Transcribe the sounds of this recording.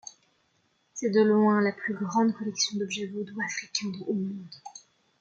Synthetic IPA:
sɛd̪əlwɛ̃laplyɡʁɑ̃d̪kɔlɛksjɔ̃d̪ɔbʒɛvod̪uafχikʲɛ̃omɔ̃d̪

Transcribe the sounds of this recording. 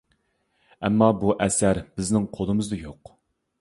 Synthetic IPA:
ɛmːɑbuʔɛsæɾbɪznɪŋqʰod̪ɨmɨzd̪ɨjoq

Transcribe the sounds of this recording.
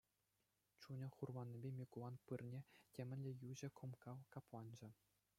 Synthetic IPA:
t͡ɕunʲɘ̆χurʋɑnʲːebʲemʲikulˠɑnpɯrnʲetʲemʲɘ̆nʲlʲĕjuʑɘ̆kʰŏmkɑlkɑplˠɑnd͡ʑɘ̆

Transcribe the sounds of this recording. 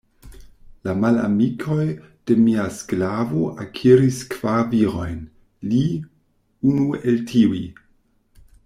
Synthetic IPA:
lamala̰mikʰo̞j | d̥e̞miasklavo̞ʔakʰiɾiskv̥aviɾo̞jn | li | unueltʰiwi

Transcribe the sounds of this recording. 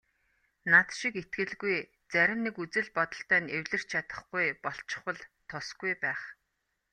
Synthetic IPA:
nat̪ʃiket̪̚ɡɘ̆ɮɡuj | t͡sæɾʲɪ̆mnekut͡sɘ̆ɮpɔt̪ɞ̆ɬt̪æːnewɮɘ̆r̥t͡ɕt͡ɕʰat̪ə̆χɡujpɔɬt͡ɕɪ̥̆χwə̆ɮt̪ʰʊsɡujpæːχ

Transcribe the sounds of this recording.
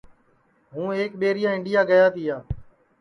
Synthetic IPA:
ɦũːeːk̚ɓeːɾɪjaːɪ̃ɳɖɪjaːɡəjaːt̪iːɦaː

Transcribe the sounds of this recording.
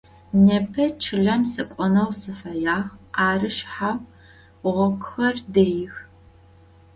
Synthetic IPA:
nepʰɐt͡ʃʰɨɮɐmsɨkʷʼɔnɐwsɨfɐjaːxaːrɨʃħaw | ʁʷɔkʰʷxɐrdejɪx

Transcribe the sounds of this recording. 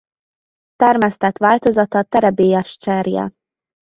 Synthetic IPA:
t̪ɛrmɛst̪ɛt̪ʋaːlt̪o̞zɒt̪ɒt̪ɛɾɛbeːjɛʃt͡ʃɛrjɛ̰

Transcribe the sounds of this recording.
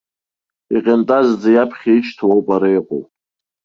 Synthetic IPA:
iqʲʼentʼazd͡zajapʰχʲit͡ʃtʰowpʼaɾajqʼo̰w

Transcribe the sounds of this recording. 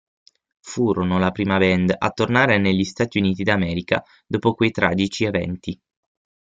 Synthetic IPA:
fuːɾonolapɾiːmabɛnd̪a̰t̪ːornaːɾeneʎːist̪aːt̪iuniːt̪id̪amɛːɾika̰ | d̪oːpokwejt̪ɾa̰ːd͡ʒit͡ʃievɛ̰nt̪i

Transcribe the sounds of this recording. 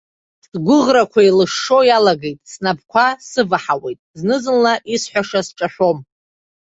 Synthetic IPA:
dɡʷʊʁrakʷʰailɨʂːo̞jalaɡe̞jtʼsnap̚ʰkʷʰasɨvaħawejtʼznɨzɨnlaʔisħʷaʂasʈ͡ʂʼaħʷᶣo̞m

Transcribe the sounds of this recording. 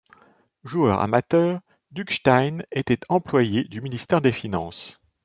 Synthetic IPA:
ʒuœ̰ʁa̰mat̪œːʁ | d̪ykʃt̪ajnet̪ɛt̪ɑ̃plwajed̪yminist̪ɛʁd̪efinɑ̰̃s

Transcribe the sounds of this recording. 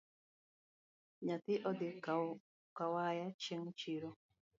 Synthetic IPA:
ɲat̪ɪʔɔd̪ɪ | kawajat͡ʃeŋt͡ʃiɾo

